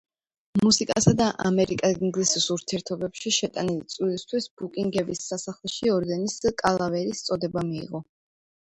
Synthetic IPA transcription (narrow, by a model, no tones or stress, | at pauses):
musikʼasad̪aʔamɛɾikʼaɡiŋɡlisisuɾt̪ʰiɛɾt̪ʰɔbɛpʃiʃɛt̪ʼanilit̪sʼwilist̪ʰwisbukʼiŋɡɛbisːasaχlˠɛʃiɔɾd̪ɛniskʼalˠavɛɾist̪sʼɔd̪ɛbamḭːʁɔ